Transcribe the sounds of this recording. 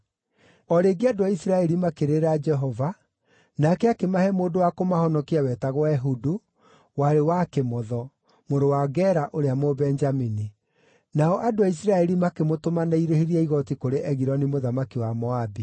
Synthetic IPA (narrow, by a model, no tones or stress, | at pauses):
ɔɾeːɡeadoaisiɾaɛɾimakeɾeɾad͡ʒɛɦɔva | nakɛakemahɛmoːdowakomahɔnɔkiawɛtaɣwaɛɦudu | waɾewakemɔðɔ | moɾowaɡɛɾaʔoɾeamobɛnd͡ʒamini | naɔʔadoais̬iɾaɛɾimakemotomanaiɾeheɾiaiɣɔtikoɾeʔɛɣiɾɔnimoðamakiwamɔabi